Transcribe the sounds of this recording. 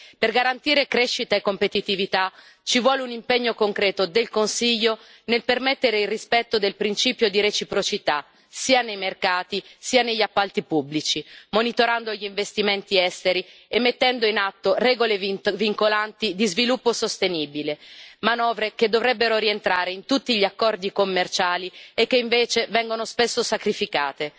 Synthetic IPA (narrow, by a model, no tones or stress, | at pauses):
perɡaɾant̪iːɾekɾeʃːit̪aekːompet̪it̪ivit̪a | t͡ʃivwɔːleunimpeɲːokoŋkɾɛːt̪od̪elkonsiʎːo | nelpermet̪ːeɾeilrispɛt̪ːod̪elpɾint͡ʃiːpjod̪iɾet͡ʃipɾot͡ʃit̪a | siːanejmerkaːt̪isiːaneʎːapːalt̪ipubːlit͡ʃimonit̪oɾand̪oʎiiɱvest̪iment̪iɛst̪eɾiemːet̪ːɛnd̪oinat̪ːorɛːɡolevviŋkolant̪id̪izvilupːosost̪eniːbilemanɔːvɾeked̪ːovɾɛbːeɾoɾient̪ɾaːɾeint̪ut̪ːiʎiakːɔrd̪ikomːert͡ʃaːliekːeiɱveːt͡ʃevɛŋɡonospesːosakɾifikaːt̪e